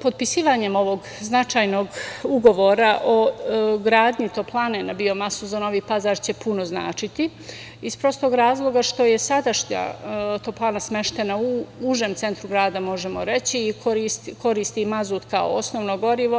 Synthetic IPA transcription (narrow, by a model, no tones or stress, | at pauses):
po̞d̪̚pisiːʋaːɲe̞mo̞ʋo̞ɡ | znat͡ʃaːjno̞ɡuɡo̞ʋoːɾaʔoɡɾaːd̪ɲit̪o̞plˠaːnenabio̞masuzano̞ʋiːpazaːɾt͡ɕe̞punozna̰ːt͡ʃit̪i | ispɾo̞st̪o̞ɡɾaːzlˠo̞ɡaʃt̪o̞je̞sad̪aʃɲa̰t̪oplˠaːnasme̞ʃt̪e̞nauuʒeːmt̪se̞nt̪ɾuɡɾaːd̪amo̞ʒemo̞̰ɾe̞t͡ɕiːkoɾist̪ko̞ɾiːst̪imazuːt̪kao̰o̰snoʋnoɡo̞ɾiʋo̞